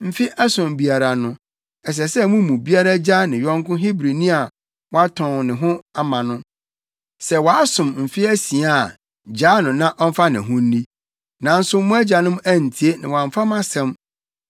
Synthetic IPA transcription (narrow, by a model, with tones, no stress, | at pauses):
m̩˦fi˦ʔa˦sʊ̃˨mbi˨a˨ɾa˨nʊ̃˦ | ɛ˨s̬ɛ˨sɛ˦mũ˦mũ˨bi˦a˦ɾa˦d͡ʑa˦nɪ̃˨jɔ̃˦ŋkʊ̃˦ɦi˦bɾi˨nĩ˦a˨ | wa˦tʰɔ̃˨nɪ̃˨ɦʊ̃˦a˨mã˨nʊ̃˦ | sɛ˨wɔ˨a˦sʊ̃˨mm̩˨fi˦æ˦sĩ˨a˦˨a˨ | d͡ʑa˦nʊ̃˨nã˦ʔɔ˦m˦fa˦nɪ̃˨ɦʊ̃˦n̩˦nĩ˦ | nã˨n̩˦sʊ˦m˦mʊ̃˦æ˦d͡ʑa˨nʊ̃˦mæ˦n̩˨tʰi˨e˦nɪ̃˨wã˨m˨fa˦mã˦sɛ̃˦m